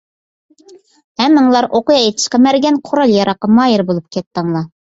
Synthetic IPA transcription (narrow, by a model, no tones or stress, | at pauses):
hɛmːɨŋlˠɑɾʔoqujɑet̪ʰə̥ʃqəmæɾɡʲɛnqʰoɾɑlˠjɑɾɑqːɑmɑjəɾbolˠup̚kʲɛt̪ːəŋlˠɑ